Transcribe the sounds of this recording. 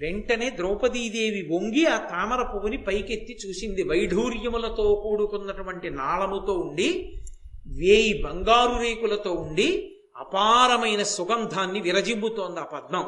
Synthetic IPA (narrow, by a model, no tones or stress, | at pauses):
ʋe̞ɳʈɐne̞ːd̪ɾɔːpɐd̪iːd̪eːʋiʋoŋɡiaːt̪aːmɐɾɐpuʋɐnipɐjket̪ːit͡ʃuːsind̪iʋɐjɖʱuːɾjɐmulɐt̪o̞ːkuːɽukunːɐʈuʋɐɳʈinaːɭɐmut̪o̞ːuɳɖi | ʋeːjibɐŋɡaːɾuɾeːkulɐt̪o̞ːuɳɖi | ɐ̰paːɾɐmɐjnɐsuɡɐnd̪ʱaːnːiʋiɾɐd͡ʒimbut̪oːnd̪ɐaːpɐd̪̚nɐm